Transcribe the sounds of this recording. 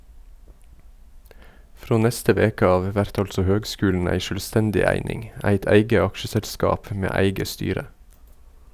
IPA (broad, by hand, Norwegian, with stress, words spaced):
ˈfɾoː ˈnɛstə ˈʋeːkə ˈɑːʋ ˈʋæɾt ˈɑltsɔ ˈhøːɡˌskʉːln̩ ˈæɪ ˈʃøːlˌstɛndɪ ˈæɪnɪŋ ˈæɪt ˈæɪɡə ˈɑkʃəsɛlˌskɑːp ˈmeː ˈæɪɡə ˈstyːɾə